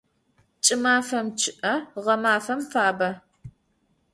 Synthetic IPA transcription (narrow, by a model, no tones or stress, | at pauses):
t͡ʃʼɪmaːfɐmt͡ʃʰɪʔɐʁɐmaːfɐmfaːbɐ